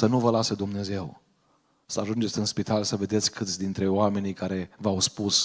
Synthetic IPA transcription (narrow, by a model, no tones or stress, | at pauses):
sənuvəlased̪umne̞ze̞w | səaʒund͡ʒe̞t̪sʲɨnspit̪alsəve̞d̪et̪sʲkʰɨt̪sʲd̪int̪ɾe̞oame̞nikaɾe̞vawspus